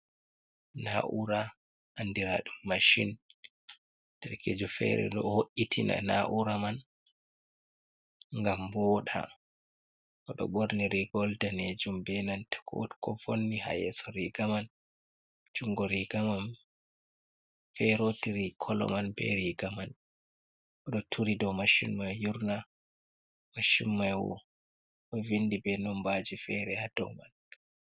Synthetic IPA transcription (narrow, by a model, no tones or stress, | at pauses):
na̰ʔuɾa | ʔandiɾaɗumːaʃḭn | tɛɾked͡ʒɔfɛ̰ɾɛ̰ɗɔhoʔːitʰina̰naʔuɾaman | ŋɡambɔːɗa̰ | ʔɔɗɔ̰ɓoɾniɾiɡɔldaned͡ʒumbɛnantɛ̥kʰɔ̰tkɔfonːiha̰jɛsɔɾiɡaman | d͡ʒuŋɡɔɾiɡaman | fɛɾotiɾikʰɔlɔ̰manbɛ̰ɾiɡaman | ʔɔɗɔtʰuɾidɔmaʃṵnmajjuɾna | maʃummajwɔ̰ | ʔɔvindibɛnɔmbad͡ʒifɛɾɛhad̥ɔ̰wma̰n